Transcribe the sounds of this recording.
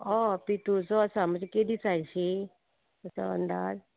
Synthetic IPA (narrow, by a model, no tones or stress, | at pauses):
ɔpit̪ut͡sɔəsaməd͡zeked̪isajɕe | əsa̰ə̰nd̪aːd͡z